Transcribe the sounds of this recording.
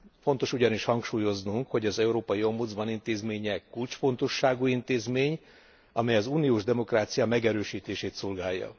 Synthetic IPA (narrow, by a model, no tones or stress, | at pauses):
fo̞nt̪o̞ʃuɟɒniʃhɒŋkʃuːjo̞znuŋkho̞ɟɒzɛuɾoːpɒjio̞mbud̪zbɒnint̪eːzmeːɲɛkult͡ʃfo̞nt̪o̞ʃːaːɡuint̪eːzmeːɲ | ɒmɛjɒzuːnioːʒd̪ɛmo̞kraːt̪sijɒmɛɡɛɾøːʃiːt̪eːʃeːt̪solɡaːjːɒ̰